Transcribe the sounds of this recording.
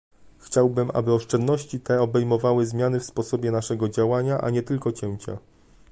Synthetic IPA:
xt͡ɕawbɘmʔa̰bɘɔʂt͡ʂɛnd̪nɔɕt͡ɕit̪ɛɔbɛjmɔvawɘzmʲjanɘfspɔsɔbʲjɛnaʂɛɡɔd͡ʑawaɲaʔa̰ɲɛt̪ɘlkɔt͡ɕɛw̃t͡ɕa̰

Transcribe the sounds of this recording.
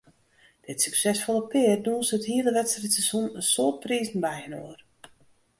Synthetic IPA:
d̥ɪtsyksɛsfolˠəpɪərduənsəthiədəʋɛtsrəsɛsunəsoət̚priːzn̩bɛjənoər

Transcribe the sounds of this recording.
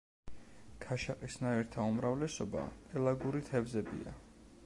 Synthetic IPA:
kʰaʃaqʼisnaɛɾt̪ʰaumɾavlɛsɔba̰t̪ʼɛlˠaɡuɾit̪ʰɛvzɛbḭa̰

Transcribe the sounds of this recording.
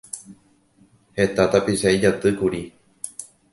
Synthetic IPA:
he̞t̪at̪apiʃaid͡ʒat̪ɨkuɾi

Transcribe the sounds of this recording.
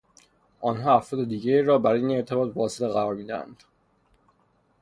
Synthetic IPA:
ʔɒːnɦɒːæfɾɒːd̪ed̪iːɟeiːɾɒːbæɾːjine̞ɾt̪ʰebɒːt̪̚vɒːseleɣæɾɒːɾmiːd̪ææ̰nd̪̥

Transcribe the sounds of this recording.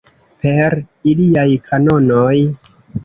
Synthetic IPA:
pe̞ɾiliajkʰano̞noj

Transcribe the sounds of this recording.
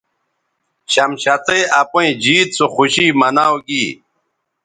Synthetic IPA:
ɕɐmɕat̪ejapoĩd͡ʑiːt̪̚t͡soxuɕiːmɐnawɡi

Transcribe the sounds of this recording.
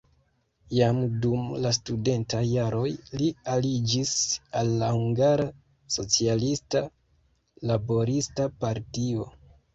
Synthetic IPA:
jamdumlastude̞ntajːaɾo̞jlialid͡ʒisalːahuŋɡaɾa | so̞t͡sialista | labo̞ɾistapaɾtio̞

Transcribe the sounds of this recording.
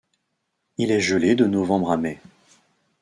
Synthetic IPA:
ilɛʒəled̪ənɔvɑ̃bʁamɛ

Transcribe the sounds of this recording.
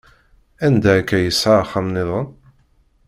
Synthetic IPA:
ænd̪ækːæjəsːəɾˤχəmnɪðˤən

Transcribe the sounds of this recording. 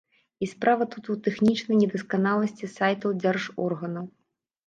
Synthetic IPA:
ispɾavɐt̪ut̪ut̪ɛxnʲit͡ʂnɐjnʲɛd̪ɐskanalˠɐsʲt͡sʲisajt̪ɐwd͡zʲɛrʐɔrɣɐnɐw

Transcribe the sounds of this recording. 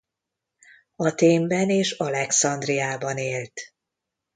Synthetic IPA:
ɒt̪eːmbɛneːʃɒlɛksɒnd̪rijaːbɒneːlt̪

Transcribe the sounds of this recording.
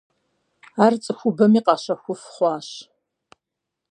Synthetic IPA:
aːrt͡sʼɨxʷʊbɐmiːqɑːɕɐxʷʊfχʷɑːɕ

